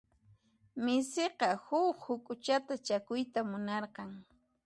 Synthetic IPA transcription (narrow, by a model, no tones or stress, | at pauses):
mɪseqɑhʊkhʊkʼʊt͡ʃat̪at͡ʃakʊjt̪amʊnɑɾqɑŋ